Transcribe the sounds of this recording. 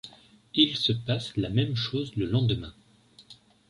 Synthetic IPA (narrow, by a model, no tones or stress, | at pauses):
ilsəpaslamɛmʃozləlɑ̃d̪əmɛ̃